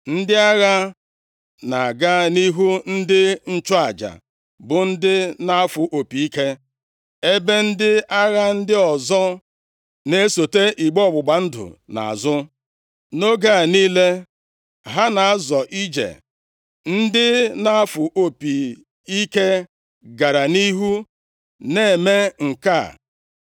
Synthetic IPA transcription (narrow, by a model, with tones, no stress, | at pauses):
n̩˦dɪ˦a˦ɣa˦ | na˨a˨ɡa˦ni˦ɦu˦n̩˦dɪ˦n̩˦t͡ʃɔ˦a˨d͡ʒa̰˨ | bʊ˨n̩˦dɪ˦na˦a˦fʊ˨ʔo˨pi˨i˦ke˦ | e˦be˦n̩˦dɪ˦a˦ɣa˦n̩˦dɪ˦ɔ˨zɔ˦ | ne˦so˨te˦ʔi˨ɡ͡bɔ˦˨ɡ͡bʊ˨ɡ͡ba˨n̩˦dʊ̰˨na̰˨a̰˨zʊ˦ | no˦ɡa˦˨niː˦le˦ | ɦa˦na˨a˦zɔ˨ʔi˦d͡ʒḛ˨ | n̩˦dɪ˦na˦a˦fʊ˨ʔo˦pi˨ | i˦ke˦ | ɡa˨ɾa˨ni˦ɦu˦ | ne˦e˨me˦ŋ̩˨ka˦˨